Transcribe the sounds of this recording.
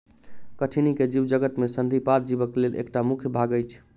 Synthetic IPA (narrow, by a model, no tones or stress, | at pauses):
kəʈʰiniked͡ʒiʋd͡ʒəɡət̪mesənd̪ʱipaɾ̚d͡ʒibəklelʔḛkʈamukʰjbʱaɡəjt͡ʃʰ